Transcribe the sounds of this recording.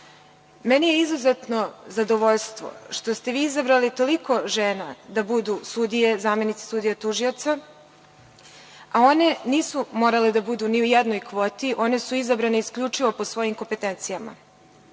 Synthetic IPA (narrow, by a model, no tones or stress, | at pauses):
menije̞izuze̞t̪no̞zad̪o̞ʋo̞ʎst̪ʋo̞̰ʃt̪o̞st̪e̞ʋiːizabɾalit̪o̞liko̞ʒeːnad̪abud̪usud̪ije̞zaːme̞nit̪se̥sud̪ijat̪uʒio̞t̪sa | ao̞ne̞niːsumo̞ːɾaled̪abud̪uniujed̪no̞jkʋo̞ːt̪iʔo̞ne̞suizabɾaneiskʎʲut͡ʂiʋo̞po̞sʋo̞jimko̞mpe̞t̪ent̪sijama̰